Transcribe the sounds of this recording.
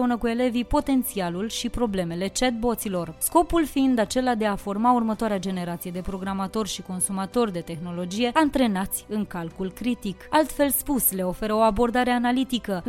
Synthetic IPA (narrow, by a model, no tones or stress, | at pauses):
eunəkue̞le̞vipo̞t̪e̞nt̪sialulʃipɾo̞ble̞me̞le̞t͡ʃet̪̚bo̞t̪silo̞rsko̞pulfiind̪at͡ʃe̞lad̪e̞afo̞rmaurmət̪oaɾead͡ʒe̞ne̞ɾat̪sijed̪e̞pɾo̞ɡɾamat̪o̞rʃiko̞nsumat̪o̞rd̪e̞t̪e̞xno̞lo̞d͡ʒije̞ant̪ɾe̞nat̪sʲɨŋkalkulkɾit̪ikalt̪fe̞lspusle̞o̞fe̞ɾəo̞abo̞rd̪aɾe̞analit̪ikə